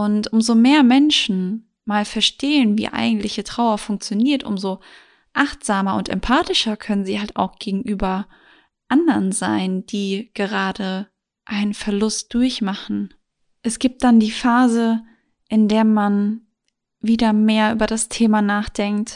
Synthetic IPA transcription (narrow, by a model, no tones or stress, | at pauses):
ʔʊntʔʊmzomeːɐmɛnʃn̩ | maːlfɛɐʃteːənvḭːʔa̰ɪɡŋ̩tlɪçətʁ̥aʊɐfʊŋk̚t͡sjoniːɐtʔʊ̰mzo | ʔaχtz̥aːmɐʊ̰ntɛ̰mpʰaːtɪʃɐkʰœnənziːhalta̰ʊxɡ̥eːɡŋ̩ʔyːbɐ | ʔandɐʁnzaɪnd̥iːɡ̥əʁ̞aːdə | ʔaɪnənfɛɐlʊst̚d̥ʊɐçmaχn̩ | ʔɛsɡ̥iːp̚t̚d̥andiːfaːzə | ʔɪndeːɐman | viːdɐmeːɐʔyːbɐɾastʰeːmanaːχd̥ɛŋkt